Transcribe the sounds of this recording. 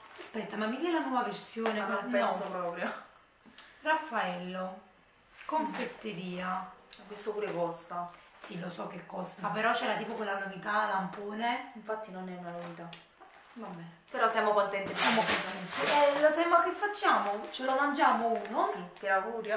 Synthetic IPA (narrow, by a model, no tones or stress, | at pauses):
aspɛt̪ːamamːid̪iɛlanwɔːvaversjɔːneomnpɛɔsopɾɔːpɾjo | rafːaɛlːo | koɱfet̪ːeɾiːaɔvːist̪opuːɾekɔst̪asilosɔkːekːɔst̪apeɾɔt͡ʃːɛːɾat̪iːpokolːanovit̪alampoːneiɱfat̪ːinonɛunanovit̪a | mabːɛːnepeɾɔsjaːmokont̪ɛnt̪ijamokot̪ɛnt̪eɛlosapɛːmoakefːat͡ʃːaːmot͡ʃelomand͡ʒaːmouːnoipjaaɡuːɾja